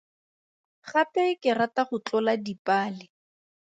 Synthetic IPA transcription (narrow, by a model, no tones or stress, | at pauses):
χapɛkɪrataχʊt͡ɬɔladipʼaːlɪ